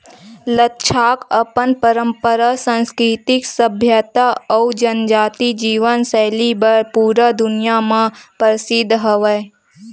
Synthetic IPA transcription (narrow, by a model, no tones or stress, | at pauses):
lətːʃʰaːkəpənpəɾə̃mpəɾasə̃nskɾɪt̪ɪksəbʱjət̪aɔud͡ʒənd͡ʒaːt̪id͡ʒiːʋənsɛːlibəɾpuːɾəd̪ʊnɪjamãpəɾɪsɪd̪ʱːɦəʋə